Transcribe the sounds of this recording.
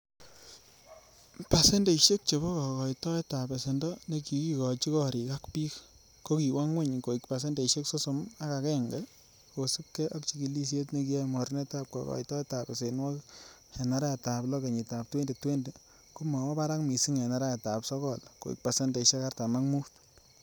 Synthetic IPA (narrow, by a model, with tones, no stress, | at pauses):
pa˨se˦nde˨iʃe˦k̚t͡ʃe˨bɔ˦kɔ˨kɔ˨itɔ˦e˦ta˨be˨se˨ndɔ˦ne˦ki˨ki˦kɔ˨t͡ʃi˦kɔ˦ɾi˨ka˦kpi˦k | ko˦ki˨wa˦ŋwe˦ɲko˨i˨kpa˨s̬e˦nde˨ʃe˦kso˦so˨ma˦ka˨kɛ˦ŋɡɛ˦ | ko˨su˦p̚kɛ˦ʔɔ˦kt͡ʃi˨ki˨li˦s̬je˦tne˦ki˦a˦mɔ˨ɾne˦ta˦p̚kɔ̰˨kɔ̰˨i˨tɔ˦e˦ta˨pe˨se˨nwɔ˦k | hɛ˨na˦ɾa˦a˨ta˨plɔ˦ke˨ɲi˨ta˨p̚twe˦nde˨twe˦nde˨ | ku˦ma˨wɔ˦pa˦ɾa˦kmi˨si˦ŋɛ˨na˨ɾa˦a˨ta˨psɔ˦kɔ˦˨lko̰˨ḭ˨k̚pa˨se˦nde˨ʃe˦ka˦rta˨ma˦kmu˦t